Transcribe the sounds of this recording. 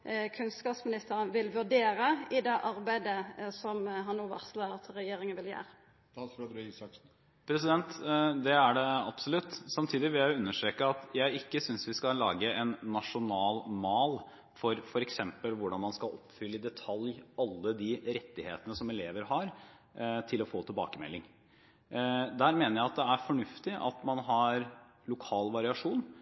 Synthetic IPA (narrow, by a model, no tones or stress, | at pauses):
kʰʉnskɑːpsmɪnɪst̪əɾənʋɪlʋʉɖ̪eːɾəɪd̪ɛʔɑɾbæɪd̪əsɔmɦɑnːoːʋɑ̰ʁslət̪ʰɾɛjeːɾɪŋənʋɪljḛːɾʰ | ɑsisɑksn̩ | pʰɾɛsɪd̪ɛnt̪d̪ɛæɖɛɑbsɔlʉt̪ːsɑmt̪ʰiːd̪ɪʋɪljæɪʊʉnːəʂʈɾeːkəɑt̪jæɪɪkːəsʏnsʋɪskɑlɑːɡəɛnːɑʂʊnɑːlmɑːl | fɔɾfɔɾɛksɛmpəlʋʊɖɑnmɑnskɑlʔɔpfʏlːəɪd̪ɛt̪ʰɑljʔɑlːəd̪iɾɛt̪ːɪheːt̪ənəsɔmɛleːʋəɾɦɑɾ | t̪ʰɪlɔfoːt̪ʰɪlbɑ̰ːkəmɛ̰lːɪŋ | d̪æːɾmeːnəɾjæɪɑt̪̚d̪ɛæɾfɔɳʉft̪ɪʔɑ̰t̪mɑnɦɑɾ | lʊkʰɑːlʋɑɾɪɑʂuːn